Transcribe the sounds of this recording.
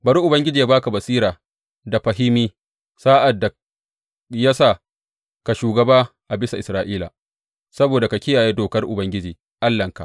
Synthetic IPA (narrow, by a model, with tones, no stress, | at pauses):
bɐ˨ɾu˦ʔʊ˨bɐ˦ŋɡʲɪ˦d͡ʒiː˨ja˦baː˦ka˨bɐ˨siː˦ɾaː˨ | da˨ɸɐ˨ɦɪ˦miː˦ | saː˦ʔa˨dːa˨ | ja˦saː˦˨ | ka˨ʃuː˨ɡɐ˨baː˦ʔa˨bɪ˦sa˨ʔɪ˨sɾaː˨ʔiː˦la̰˨ | sɐ˦boː˨da˨ka˨kʲɪ˦jaː˨jeː˦doː˨kɐ˦rʔʊ˨bɐ˦ŋɡʲɪ˦d͡ʒiː˨ | ʔa˦lːɐ˨ŋka˨ʔ